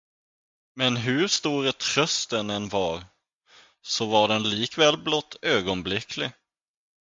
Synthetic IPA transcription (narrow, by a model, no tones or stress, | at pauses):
mɛnɦɵʂt̪uːɾət̪ʰɾœst̪ənɛnvɑɾ | sɔvaɖɛnliːkvɛːlblɔt̪ʰːøːɡɔnblɪkʰlɪ